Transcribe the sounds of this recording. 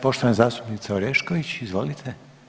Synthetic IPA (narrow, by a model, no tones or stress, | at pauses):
po̞ʃt̪oʋanazaːst̪upnit̪saoɾeʃkoʋit͡ɕizʋo̞lit̪ʰe